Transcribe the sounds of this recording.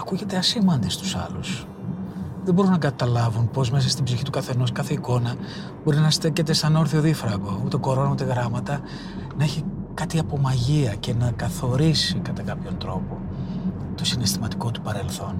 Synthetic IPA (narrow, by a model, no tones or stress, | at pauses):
ɐkuʝe̞t̪e̞ɐsimɐnd̪est̪u̥sɐ̰lus | ðebo̞ɾunɐkɐt̪ɐlɐvunpo̞zme̞s̬ɐst̪ibziçit̪ukɐθe̞no̞skɐθe̞iko̞nɐ | bo̞ɾinɐst̪ecet̪e̞st̪ɐnoɾθioðifɾɐɣo̞ut̪e̞ko̞ɾo̞nɐut̪e̞ɣɾɐmɐt̪ɐ | nɐeçikɐt̪iɐpo̞mɐʝiɐce̞nɐkɐθo̞ɾisikɐt̪ɐkɐpço̞nt̪ɾo̞po̞ | t̪o̞sine̞st̪imɐt̪i̥ko̞t̪u̥pɐɾe̞lθo̞n